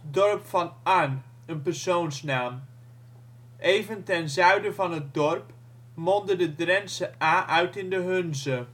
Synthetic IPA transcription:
dɔɹpfɑnʔan | ənpəɹsownsnaːm | ʔejvəntɛnzœɥdəvɑnɦət̚dɔɹp | mɔndədədrɛnsəʔaːʔœɥtɪndəɦɵnzə

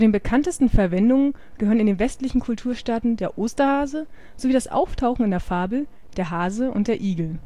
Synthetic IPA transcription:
t͡sudeːnbəkʰantəstn̩fɛɐvɛndʊŋən | ɡ̥əɦhøːʁənɪndeːnvɛstlɪçn̩kʰʊltʰuːɐʃtaːtn̩deːɐʔoːstɐhaːzə | z̥oviːdasʔa̰ʊftʰaʊxŋ̩ɪndeɐfaːbl̩ | d̥eːɐɦaːzəʊ̰ntd̥eːɐʔiːɡl̩

